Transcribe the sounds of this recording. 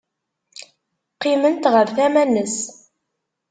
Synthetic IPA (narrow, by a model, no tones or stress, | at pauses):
qːimənt̪ʁəɾθæmænːəs